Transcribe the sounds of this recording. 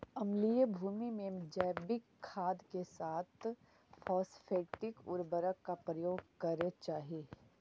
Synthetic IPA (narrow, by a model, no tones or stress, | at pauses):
ɐmlijəbʱuːmimẽd͡ʒɛːbɪkʰːaːd̪kesaːt̪ʰ | fʰɔːsfʰeːʈɪkʊ̰ɾbəɾəkːapɾɐjoːɡ̚kɐɾet͡ʃaːɦieː